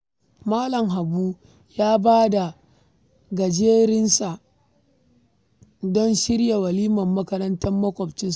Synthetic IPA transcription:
maː˦lɐ˨mɦa˨buː˦ | jaː˦baː˦da˨ | ɡɐ˨d͡ʒeː˦ɾɪ˦nsa˨ | dɔ˦nʃɪ˦ɽja˨wɐ˨liː˦mɐ˨mːɐ˦kɐ˦ɾɐ˦ntɐ˦mːɐ˦kʷɔ˨bt͡ʃɪ˦ns

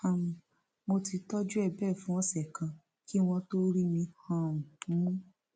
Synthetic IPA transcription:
a˧˨mũ˧ | mo˧ti˧tɔ˦d͡ʒu˦ɛ˦˨bɛ˦˨fũ˦ɔ̃˧sɛ˨kã˧ | ki˦w̃ɔ̃˧to˦ɾi˦mĩ˧hã˦˨ũ˨ũ˦ũ˦

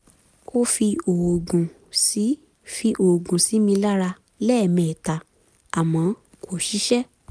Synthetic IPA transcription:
o˦fi˧o˨o˨ɡũ˨ | si˨˦ | fi˧ʔo˨ɡũ˨si˨˦mĩ˧la˦ɾa˧ | lɛ˦˨mɛ̃˨ta˨ | a˨mɔ̃˨˦ | ko˨ʃi˨˦ʃɛ˦

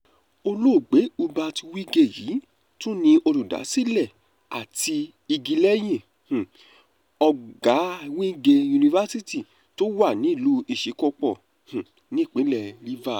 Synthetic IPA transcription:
o˧lo˦˨ɡ͡be˨˦u˧ba˧ti˧wi˦ɡe˦˨jḭː˨˦ | to˦nĩ˧o˧ɾu˨da̰˨˦si˦˨lɛ˦˨ | a˨ti˧ | i˧ɡi˧lɛ˦j̃ĩ˦˨ | h̩˨ | ɔ˧ɡa˨˦˧wĩ˦ɡe˧ju˧nĩ˧va˦si˦ti˦˨ | to˦wa˦˨nĩ˨˦i˦˨lu˨˦i˦˨ʃe˨˦kɔ˧k͡pɔ˦˨ | h̩˨ | nĩ˦˨k͡pĩ˨˦lɛ˧˨li˦va˦˨

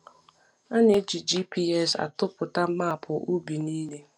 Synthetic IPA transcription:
a˦n˦e˦d͡ʒi˨d͡ʒi˦pi˦ɛ˦sa̰˨tʊ˦pʊ˨ta˦m̩˦ma˦a˨pʰʊ˨ʔu˦bi˨niː˦le˦

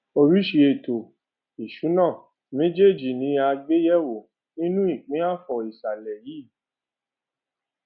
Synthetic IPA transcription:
o˧ɾi˨˦ʃi˧e˨to˨ | i˨ʃu˨˦nãː˦˨ | mẽ˦d͡ʒe˦˨d͡ʒi˨nĩ˨˦a˧ɡ͡be˦jɛ˦wo˨ | nĩ˦nũ˦i˦˨k͡pĩ˨˦a˦˨fɔ˨i˨sa˨lɛ˨ji˨˦

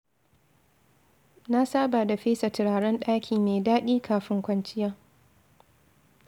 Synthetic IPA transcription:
na˦saː˦baː˨da˨ɸeː˦sa˨tɪ˨ɾaː˨ɽɐ˦nɗaː˦kʲʰiː˨meː˨daː˦ɗiː˦kʰaː˨ɸɪ˦ŋkʷɐ˦nt͡ʃɪ˦jaː˦

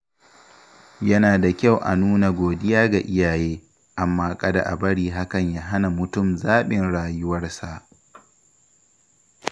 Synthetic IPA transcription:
jɐ˦naː˨da˨kʲa˦˨wʔa̰˨nuː˦na˨ɡʷoː˨dɪ˦jaː˦ɡa˨ʔɪ˦jaː˨jeː˦ | ʔa˨mːaː˦kʼɐ˦da̰˨ʔa˨bɐ˦ɽiː˨ɦa˦kɐ˨ɲjaː˦ɦa˦na˨mʊ˨tʊ˦˨mzaː˦ɓɪ˨nɽaː˨jʊ˦wɐ˦rsa˨ʔ

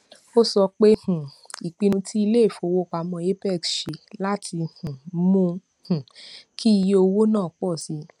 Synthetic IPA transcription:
o˦sɔ˧k͡pe˦hũ˨ | i˨k͡pĩ˧ñũ˧tʰi˦i˧le˦˨fo˨˦˨wo˦k͡pa˨˧mɔ̃˧e˦pɛ˦˨kʃe˨la˦tʰi˧hũ˨mũ˧ | hũ˨kʰi˦i˧jo˧wo˦nãː˦˨k͡pɔ˦˨si˧˦

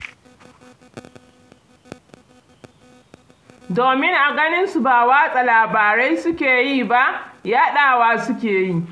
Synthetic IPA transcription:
doː˨mɪ˦ŋʔa˨ɡɐ˦nɪ˦nsu˨ba˨waː˦sʼa˨laː˨baː˨ɾa˦jsʊ˦kʲeː˨jiː˦ba˦ʔjaː˦ɗaː˨waː˦sʊ˦k̬ʲeː˨ji˦˨

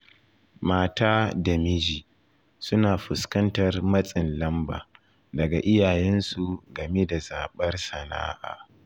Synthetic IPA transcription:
maː˦taː˦da˨mɪ˦d͡ʒiː˨ | sʊ˦naː˨ɸʊ˨skɐ˦ntɐ˨rmɐ˦sʼɪ˨nlɐ˦mba̰ː˨ | dɐ˨ɡa˨ʔɪ˦jaː˨jɛ˦nsu˨ɡɐ˨me˦da˨zaː˨ɓɐ˦rsɐ˨na̰ː˦ʔa̰ː˨

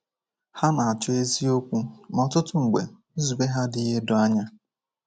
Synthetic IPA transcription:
ha˦na˨a˨t͡ʃʊ˦e˦zi˦o˦kʷu˦m˨ɔ˨tʊ˦tʊ˨ŋ̩˨ɡ͡bḛ˨˦ | zu˨ɡ͡be˦ɦa˦dɪ˨i˦ɦe˦dʊ˨a˦ɲa˦

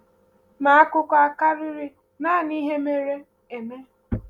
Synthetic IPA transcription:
ma˨a˦kʊ˦ka˦ka˦ɾɪ˦ɾɪ˦ | naː˦˨ni˦ɦe˦me˦ɾe˦ | e˨me˦

